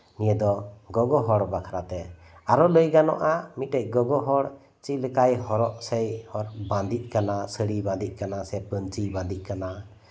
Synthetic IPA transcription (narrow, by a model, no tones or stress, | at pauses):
nijəd̪ɔɡɔɡɔɦɔɽbakʰaɾat̪ɛ | aɾɔləjɡanɔʔamit̪̚ʈɛc̚ɡɔɡɔɦɔɽ | t͡ʃiclɛkajhɔɾɔʔsɛjhɔɾbãnd̪iʔ̚kanasəɽibãnd̪iʔ̚ˀkanasɛpənt͡ʃibãnd̪iʔ̚kana